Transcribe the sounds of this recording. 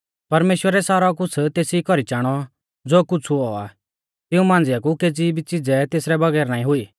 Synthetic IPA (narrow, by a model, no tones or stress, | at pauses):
pɐɾmeːʃwəɾɛsaːɾɔk̬ʊt͡sʰt̪eːsikɔɾit͡ʃaːɽ̃ɔ | d͡zoːkʊt͡sʰuɔa̰ | t̪ɪũmãːn̆d͡zɪjak̬uked͡ziːbit͡sɪd͡zɛt̪eːsɾɛbɐɡɛːɾnãːĩɦʊiː